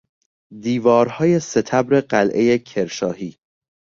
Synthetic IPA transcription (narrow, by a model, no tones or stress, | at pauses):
d̪iːvɒːɾhɒːje̞se̞t̪ʰæbɾe̞ɢælʔe̞jecʰeɾʃɒːɦiː